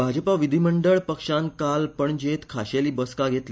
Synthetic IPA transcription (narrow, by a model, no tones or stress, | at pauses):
bʱad͡ʑəpaʋid̪ʱiməɳɖəɭpəkʂankalpəɳd͡ʑet̪kʰaɕeliːbəskaɡʱet̪li